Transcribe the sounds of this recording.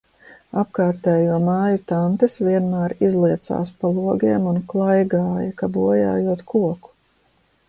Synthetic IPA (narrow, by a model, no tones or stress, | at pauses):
apkaːɾt̪ɛːjuɔmaːjut̪ant̪esviɛnmæːɾizlˠiɛt̪sa̰ːspalˠuɔɡiɛmunklˠajɡaːjɐkabuɔja̰ːjuɔt̪kuɔku̥